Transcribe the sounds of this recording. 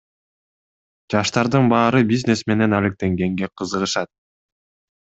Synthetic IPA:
d͡ʒɑʃt̪ɑɾd̪ɯnbɑːɾɯbiznʲe̞sme̞ne̞nælek̚t̪e̞ŋɡe̞ŋɡe̞qʰɯzɯʁɯʃɑt̪̚

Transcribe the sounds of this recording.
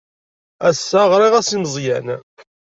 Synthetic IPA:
æsːæʁɾˤiʁæsiməzˤjæn

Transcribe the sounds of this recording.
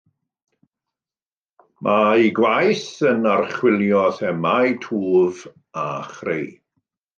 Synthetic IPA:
mʔaiɡwajθənarχwɪlˠjɔθɛmajtʰuːv | a̰χrḛj

